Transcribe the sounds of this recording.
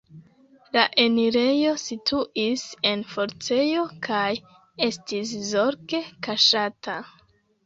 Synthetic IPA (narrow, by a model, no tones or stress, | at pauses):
laʔe̞niɾe̞jo̞sitʰuʔise̞nfo̞ɾt͡se̞jo̞kʰaj | e̞stis̬zo̞ɾke̞kaʃatʰa